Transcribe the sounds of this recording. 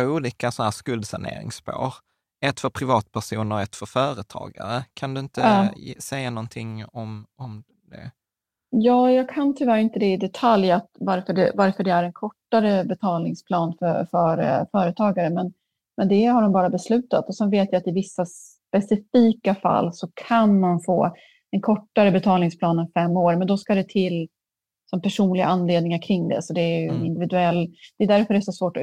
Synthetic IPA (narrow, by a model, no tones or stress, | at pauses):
uːliːkasɔnæːskɵld̪sa̰ɳḛːɾɪ̰ŋspo̰ːɾ | ɛt̪fœɾpʰɾɪvɑːt̪̚pʰæʂuːnəɾɔɛt̪fœɾfœːɾət̪ʰɑ̰ːɡa̰ɾəkʰand̪ɵɪnt̪əsɛjanɔnt̪ʰɪŋɔmɔm | d̪ɛ̰ | jɑːjɑːɡkʰant̪ʰɪlvæːɾɪnt̪əd̪ɛɪd̪ɛt̪ʰaljat̪vaɾfœɖɛ̰vaɾfœɖɛæɾɛnkʰɔʈːaɾəbɛt̪ʰɑːlnɪŋspʰlɑːnfœfœɾfœːɾət̪ʰɑːɡaɾəmɛn | mɛnd̪ɛhaɾɖɔmbɑːɾabɛslʉ̟ːt̪a̰t̪ɔsɛnveːt̪jajat̪ɪvɪsːas | pɛsɪfiːkafa̰lːsɔkʰanmanfo̰ː | d̪̥ɛnkʰɔʈːaɾəbɛt̪ʰɑːlnɪŋspʰlɑːnənfɛmːoːɾmɛnd̪ɔskad̪ɛt̪ʰɪlː | sɔmpʰæʂuːnlɪɡa̰ʔanleːd̪nɪŋaɾkʰɾɪŋd̪ɛ̰sɔd̪ɛːjɵɛnɪnd̪ɪvɪd̪ɵɛlːd̪̥ɛd̪æɾfœɾɛsɔsvoːʈɔ